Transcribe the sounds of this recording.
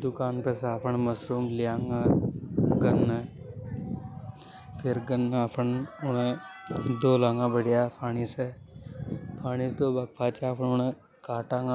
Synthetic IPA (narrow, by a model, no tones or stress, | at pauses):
d̪ʊkaːnpɛːsaːpʰəɳməsɾuːmlɪjãːŋɡa | ɡənːə | pʰɪɾɡənːaːpʰəɳʊnẽd̪oːlaːŋãːbəɽɪjaːpʰaːɽ̃iːsɛː | pʰaːɽ̃isd̪oːbəkpʰaːt͡ʃaːpʰəɳʊnẽ | kaːʈãːŋa